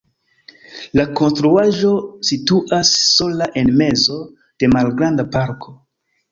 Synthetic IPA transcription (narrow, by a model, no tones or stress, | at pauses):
lako̞nstɾuaʒo̞situʔasːo̞laʔe̞nme̞zo̞ | d̥e̞malɡɾandapaɾkʰo̞